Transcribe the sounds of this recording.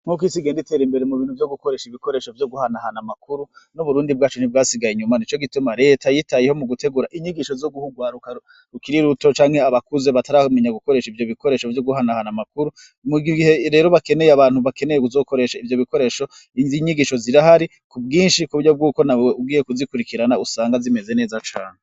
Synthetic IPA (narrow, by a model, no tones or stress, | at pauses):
m̥hukwisiɡe̞ːndite̞ɾimbe̞ɾemuβiːn̥uvjo̞ɡuko̞ɾe̞ʃiβiko̞ɾe̞ʃo̞vjoɡuhanahanamakuɾunuβuɾuːndibɡaːt͡ʃunib̚ɡaːsiɡajiɲumanit͡ʃo̞ɡitumaɾe̞ːtajitajeho̞muɡute̞ɡuɾaʔiɲiɡiʃo̞zoɡuhuɡwaːɾuka | ɾukiɾiɾuto̞t͡ʃaːŋhe̞aβakuzeβataɾame̞ɲaɡuko̞ɾe̞ʃivjo̞βiko̞ɾe̞ːʃo̞vjoɡuɦanahanamakuɾu | muɡiihe̞ɾe̞ːɾo̞βake̞ne̞jeaβaːnhuβake̞ne̞jekuzo̞ːko̞ɾe̞ːʃaivjo̞βiko̞ɾe̞ːʃo̞ | ziɲiɡiʃo̞ziɾahaɾi | kubɡiːnʃikuβuɾjo̞b̚ɡuːko̞nawweub̚ɡiːjekuzikuɾikiɾanausaːŋɡazime̞ze̞ne̞ːzat͡ʃaːne